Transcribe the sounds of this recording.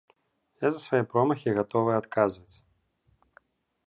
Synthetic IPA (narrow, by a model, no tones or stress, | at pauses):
jazɐsvajɛpɾɔmɐxʲiɣat̪ɔvɨjat̪kazvɐt͡sʲ